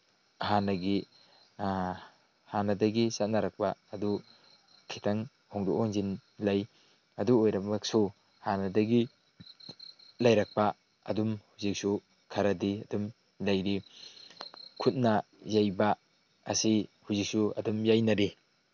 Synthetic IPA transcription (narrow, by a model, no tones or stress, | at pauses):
ɦanɐɡi | hanɐdɐɡisat̚naɾɐk̚paɐdu | kʰitʰaŋ | hɔŋduʔoŋzinlɐj | ɐduojɾɐmɐksu | hanɐdɐɡi | lɐjɾɐk̚pa | ɐ̰dumhuzik̚su | kʰɐɾɐdiɐdum | lɐjɾi | kʰut̚nɐ | zajbaː | sihuzik̚suɐ̰dumjajnɐɾi